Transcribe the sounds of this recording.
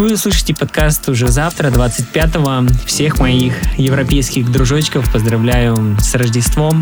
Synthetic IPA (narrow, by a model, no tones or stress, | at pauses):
vɨʊslˠɨʂəjtʲɪpɐt̪kast̪ʊʐɛzaft̪ɾəd̪vat̪sɨt̚ʲpʲat̪əvəfsʲe̞xmɐixjɪvɾɐpʲejskʲɪxd̪ɾʊʐot͡ɕːɪ̥kəfpəzd̪ɾɐvlʲæjʊsrəʐdʲɪst̪vom